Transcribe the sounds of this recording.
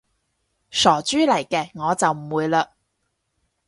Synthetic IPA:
sɔː˨˩t͡ʃyː˥lɐ˨˩jkɛː˧ŋɔː˨˧t͡sɐ˨wm̩˨˩wuː˨˧jlaː˧

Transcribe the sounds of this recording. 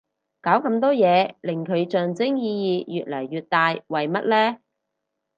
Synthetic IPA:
kaː˨˥wkɐ˧mt̪̬ɔː˥jɛː˨˧lɪ˨˩ŋkʰɵ˨˧ɥt͡ʃœː˨ŋt͡sɪ˥ŋjiː˧jiː˧jyː˨t̚lɐ˨˩jːyː˨˧t̚t̪aː˧jwɐ˨jmɐ˥t̚lɛː˥

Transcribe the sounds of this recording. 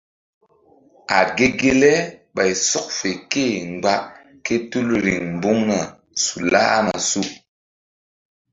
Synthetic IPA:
a̰˨t̚ɡe˦ɡe˦lɛ˦ɓa˨jsɔ˦k̚fe˨ke˦˨ŋ˨ɡ͡ba˦ʔ | ke˦tu˦lɾḭ˨ŋm̩˨bu˦ŋna˨ | su˨la̰˦a̰˦ma˨su˦

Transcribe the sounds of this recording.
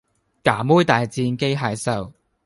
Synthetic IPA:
kaː˨˩muː˥jt̪aː˨jt͡siː˧nke˥jɦaː˨˧˥jsɐ˨˧w

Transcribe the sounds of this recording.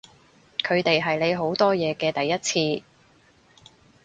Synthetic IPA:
kʰɵ˨˧ɥt̪e˨jɦɐ˨jle˨˧jɦo˨˥wt̪ɔː˥jɛː˨˧kɛː˧t̪ɐ˨jːɐ˥t̚t͡sʰiː˧

